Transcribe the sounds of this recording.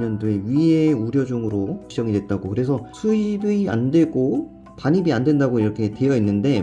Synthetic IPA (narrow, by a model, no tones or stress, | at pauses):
ɲʌndoeɥie̞uɾjʌd͡ʑuŋɯɾoid͡ʑʌŋidwe̞t̚t͈aɡokɯɾe̞s̬ʰʌsʰuibia̰ndwe̞ɡo | paɲibiandwe̞ndaɡoiɾʌkʰe̞te̞jʌinːɯnde̞